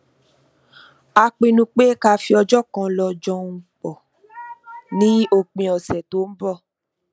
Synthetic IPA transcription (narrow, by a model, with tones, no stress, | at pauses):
a˧k͡pĩ˧nũ˧˦k͡pe˦ka˧fi˧ɔ˧d͡ʒɔ˦kã˧lɔ˧d͡ʒɔ̃˧ũ˨˧k͡pɔ˨ | nĩ˨˦o˦˨k͡pĩ˨˧ɔ˨sɛ˨to˨˦m̩˦bɔ˦˨